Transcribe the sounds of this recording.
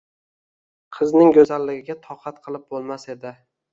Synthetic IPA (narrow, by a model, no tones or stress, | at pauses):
qʰɨznɪŋɡʲɵzalːɪɡʲɪɡʲat̪ʰɒqʰɑt̪qʰɨlˠɪp̚bolˠmase̞d̪ɪ